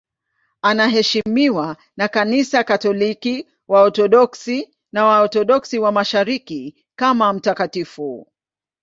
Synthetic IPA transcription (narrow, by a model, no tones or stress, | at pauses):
anaɦɛʃimiwa | nakanisakatɔliki | waɔtɔɗɔksi | nawaɔtɔɗɔksiwamaʃaɾiki | kamam̩takatifu